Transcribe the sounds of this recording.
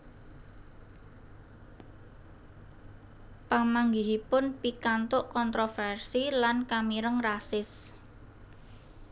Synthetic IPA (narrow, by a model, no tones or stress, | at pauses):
pamaŋɡiɦipʊnpikant̪ʊʔkɔnt̪ɾofɛrsilankamiɾəŋrasɪs